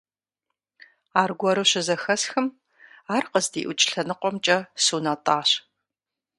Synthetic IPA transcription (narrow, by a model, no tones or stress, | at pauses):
aːrɡʷɔɾɨɕɪzɐxɐsxɨm | aːrqəzdḭːʔʊt͡ʃʼɬɐnɨqʷɔmt͡ʃʼɐsuːnaːtʼaːɕ